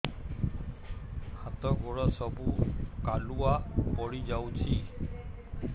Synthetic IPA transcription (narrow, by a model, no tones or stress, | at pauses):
hat̪ɔɡɔɹɔsɔbukaluapɔɹid͡ʒawt͡ʃʰi